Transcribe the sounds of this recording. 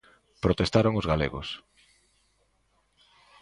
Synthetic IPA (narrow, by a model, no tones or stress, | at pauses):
pɾot̪est̪aɾoŋozɣalḛɣo̰s